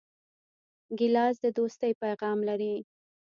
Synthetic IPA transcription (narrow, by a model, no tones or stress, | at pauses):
ɡɪlɑzd̪əd̪ost̪əjpajɣɑmlaɾi